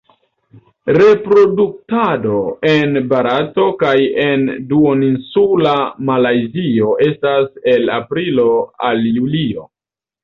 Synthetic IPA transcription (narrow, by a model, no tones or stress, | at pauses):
ɾe̞pɾo̞duk̚tado̞e̞nbaɾato̞kajenduoninsulamalajzio̞ʔe̞stase̞lapɾilo̞aljulio̞